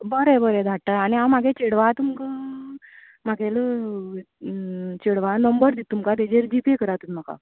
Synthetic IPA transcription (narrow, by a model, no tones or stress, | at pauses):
bəɾebəɾed̪ʱaʈːaaɽ̃iawmaɡʱet͡ɕeɽʋat̪umkə | maɡelə | t͡ɕeɽʋanəmbəɾd̪it̪ːumkat̪̬ed͡ʑeɾd͡ʑipekəɾat̪unm̤aka̰